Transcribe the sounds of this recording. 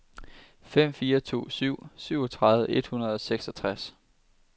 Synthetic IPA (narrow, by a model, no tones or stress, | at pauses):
fem̰fiːɐt͡sʰo̝̰ːsyʊ̰syʊ̰ɒt͡sʰʁɑ̈ðˠʋəe̝d̥hunɐð̞ˠɒ̽seɡ̥sɒt͡sʰʁas